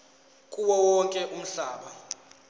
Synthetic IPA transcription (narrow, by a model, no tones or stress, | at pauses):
kʼuwɔwɔŋkʼɛʔum̩ɬaːɓa